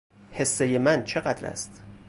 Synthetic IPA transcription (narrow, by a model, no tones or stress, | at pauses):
he̞sːejemænt͡ʃʰe̞ɢæt̪ɾæ̰st̪